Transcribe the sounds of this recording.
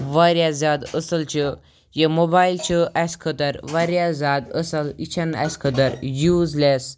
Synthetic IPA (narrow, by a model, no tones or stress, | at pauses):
ʋaɾʲjazad̪əsəlt͡ɕə | jemobailt͡ɕəʔaskʰət̪əɾʋaɾjazad̪əsəlit͡ɕʰana̰skʰəd̪əɾjuːd͡zles